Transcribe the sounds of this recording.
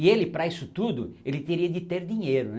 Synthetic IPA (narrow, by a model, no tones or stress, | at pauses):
ɪelɪpɾɐisʊt̪ud̪ʊelɪt̪eɾiɐd̪ɪt̪eɾd̪ĩɲejɾʊn